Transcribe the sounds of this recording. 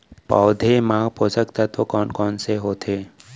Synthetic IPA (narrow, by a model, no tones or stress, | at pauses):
pa̰ːd̪ʱemãːpoːsəkt̪at̪ʰokɔːnkɔːnseɦoːt̪ʰeː